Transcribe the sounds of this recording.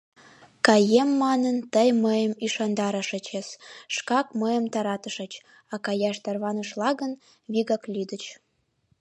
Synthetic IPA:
kɑjemːɑnənt̪əjməjəmiʃɑnd̪ɑɾəʃə̆t͡ɕesʃkɑkməjəmt̪ɑɾɑt̪əʃə̆t͡ɕ | ɑkɑjɑʃt̪ɑrβɑnə̆ʃlɑɣən | βiɣɑklʲid̪ət͡ɕ

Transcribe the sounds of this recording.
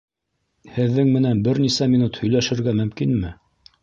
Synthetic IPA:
hɘ̆ðːɘŋmɘ̆nænbɘɾnisæmʲinut̪hɵ̆jlæʃɘ̆ɾɡæmɵ̆mkinmɘ

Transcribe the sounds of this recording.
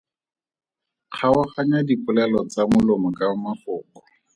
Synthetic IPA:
χʰaʊχaɲadipʊlɛlɔt͡samʊlomɔkamafʊːkɔ̥

